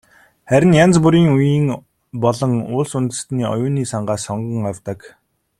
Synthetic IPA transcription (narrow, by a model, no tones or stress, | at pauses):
χæɾʲɪ̆njant͡spuɾiːŋujiːŋ | pɔɮɞ̆ŋʊːɮsunt̪ɘ̥̆st̪niːɔ̰jʊːniːsaɴɢaːsɔɴɢə̆ŋawʲt̪ə̆k